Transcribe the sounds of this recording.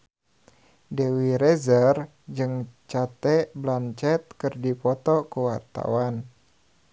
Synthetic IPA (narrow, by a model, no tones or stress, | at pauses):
dɛwiɾɛzər | d͡ʒɨŋt͡ʃat̪ɛblant͡ʃɛt̪̚kɨrdipɔt̪ɔkuwart̪a̰wan